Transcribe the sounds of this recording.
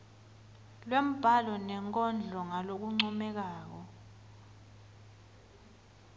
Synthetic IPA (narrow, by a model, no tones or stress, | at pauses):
lwem̩b̥ʱalɔnɛŋkʼɔnd͡ɮʱɔŋalok̬uŋ͡ǀɔmɛk̬aːk̬ɔ